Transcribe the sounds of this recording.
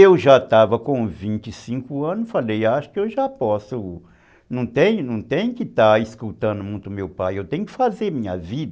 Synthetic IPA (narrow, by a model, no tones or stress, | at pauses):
ewʒat̪avɐkõvĩnt͡ʃ̪ɪsĩŋkʊɐ̃nʊsfalejaʃʊ̥kɪewʒapɔsʊ | nɐ̃w̃t̪ẽɲʊnɐ̃w̃t̪ẽɲ̃ʊkɪt̪aiskut̪ɐ̃nʊmũj̃t̪ʊmewpajewt̪ẽɲʊkɪ̥fazeɾmĩɲɐ̰vid̪ɐ